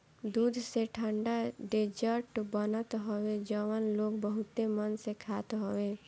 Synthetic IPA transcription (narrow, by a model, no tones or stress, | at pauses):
d̪ud̪ʱseʈʰəɳɖaɖed͡ʒəɾʈbənət̪ɦɔwed͡ʒəʋənlokbəɦut̪emənsekʰat̪ɦɔwe